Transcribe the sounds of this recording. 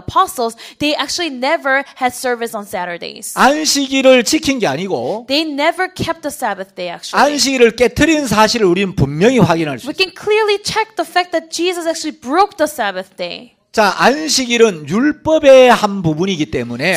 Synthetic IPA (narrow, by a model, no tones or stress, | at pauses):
əpʰɑsl̩ˠzðeɪʔæk̚t͡ʃul̩ˠinɛvə˞hɨd̥sɜ˞vɨsn̩sæɾə˞dḛɪz̥anɕʰiɡiɾɯɭt͡ɕʰikʰinɡe̞aɲiɡo̰ðeɪnɛvə˞kʰɛp̚t̪̚ðəsæbɨθd̥eɪæ̰k̚t͡ʃuanɕ̬ʰiɡiɾɯɭk͈etʰɯɾinsʰaɕʰiɾɯɾuɾinɯnpummjʌŋiɸwaɡinɦaɭsuwikɨ̃nkʰl̥ɪɹlit͡ʃʰɛk̚ðəfæk̚ðɨt̚ʒ̥izʌsæk̚t͡ʃul̩ˠibɹoʊk̚ðəsæbɨθd̥eɪ | t͡ɕaʔanɕʰiɡiɾɯnjuɭp͈ʌbe̞hanbubuniɡit͈e̞mune̞